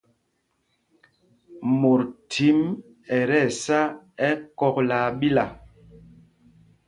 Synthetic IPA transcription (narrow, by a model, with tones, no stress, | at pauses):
mo˨ɾtʰi˨˦m | ɛ˨ɾɛ˦˨sa˦ɛ˦kɔ˦k̚laː˨ɓi˦la˨